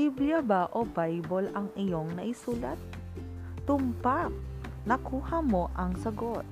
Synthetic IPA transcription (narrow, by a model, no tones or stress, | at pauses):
ibljɐbaʔobajbolɐŋɪjo̞ŋnɐʔɪsuːlɐt̪̚ː | ʊmpak̚ | nɐkuːhɐmo̞ʔɐŋsɐɡot̪̚